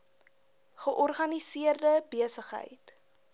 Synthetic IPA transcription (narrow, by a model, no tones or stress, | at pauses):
χəʔɔrχɐnisiərdəbiəsəχɦə̰jt